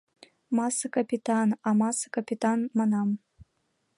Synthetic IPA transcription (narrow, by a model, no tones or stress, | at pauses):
mɑsɤkapʲit̪ɑnɑmɑsɤ̥kapʲit̪ɑnmɑnɑm